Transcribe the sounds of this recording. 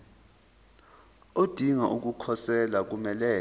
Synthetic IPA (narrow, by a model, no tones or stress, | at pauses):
od̥ʱiŋaʔuk̬ukʰɔsɛlak̬umɛlɛː